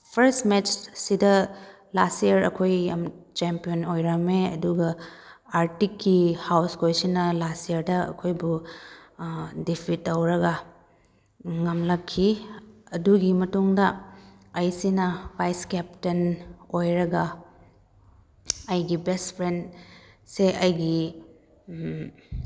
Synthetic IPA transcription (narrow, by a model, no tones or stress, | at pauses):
pʰɐɾstmet͡ʃsidɐ | lastijɐɾɐ̰kʰojɐmt͡ʃempijonojɾɐmeɐ̰duɡɐaɾtikːihawskʰojsinɐlastijɐɾdɐɐ̰kʰojbu | dipʰitːɐwɾɐɡɐ | ŋɐmlɐkʰːiɐduɡimɐtuŋdɐ | ɐjsinɐbajskɛptɐnojɾɐɡɐ | ɐjɡibestpʰɾendseʔɐjɡi